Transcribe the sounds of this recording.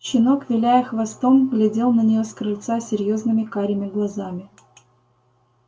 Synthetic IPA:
ɕɪno̞kvʲɪlʲæjəxvɐst̪o̞mɡlʲɪdʲe̞lˠnənʲɪjoskɾɨlʲt̪sasʲɪɾʲjo̞znɨmʲɪkaɾʲɪmʲɪɡlˠɐzamʲɪ

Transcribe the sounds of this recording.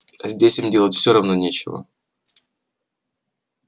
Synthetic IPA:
ɐzʲdʲesʲimdʲe̞lˠətʲfsʲoɾɐvnonʲet͡ɕɪvə̰

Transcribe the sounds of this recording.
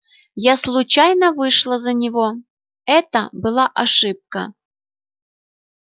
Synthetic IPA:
jaslˠʊt͡ɕajnəvɨʂlˠəzənʲɪvo | ɛt̪əbɨlˠaʔɐʂɨp̚kə̰

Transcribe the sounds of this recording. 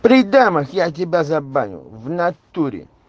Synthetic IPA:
pɾid̪amaxjat̬ʲibʲazaba̰ɲṵvnat̪uɾḭ

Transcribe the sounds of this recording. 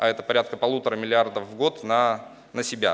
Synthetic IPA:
ɐɛt̪əpɐɾʲat̪kəpɐlˠut̪əɾəmʲɪlʲɪard̪əfvɡo̞t̪nə | nəsʲɪbʲa̰

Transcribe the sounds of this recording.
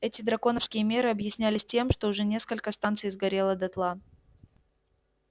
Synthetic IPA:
ɛtʲɪd̪ɾɐko̞nəfskʲɪjəmʲe̞ɾɨɐbjɪsʲnʲælʲɪsʲtʲe̞mʂt̪oʊʐɛnʲe̞skəlʲkəst̪ant̪sɨjzɡɐɾʲe̞lˠəd̪ɐt̪lˠa

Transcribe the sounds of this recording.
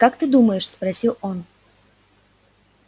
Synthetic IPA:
kakt̪ɨd̪uməjɪʂspɾɐsʲilˠon

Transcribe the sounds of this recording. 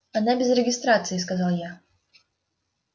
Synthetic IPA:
anabʲɛzrɛɡʲist̪ɾat̪sɨjiskazalˠja

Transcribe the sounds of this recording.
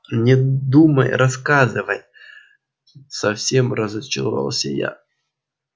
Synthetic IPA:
nʲɪd̪uməjɾʔɐskazɨvəj | sɐfsʲemrəzət͡ɕɪɾva̰lˠsʲəja̰

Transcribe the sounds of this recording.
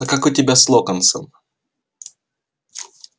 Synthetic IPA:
ɐkakʊtʲɪbʲaslˠokənsəm

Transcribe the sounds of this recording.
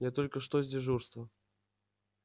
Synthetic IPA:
jat̪olʲkəʂt̪ozʲdʲɪʐurst̪və

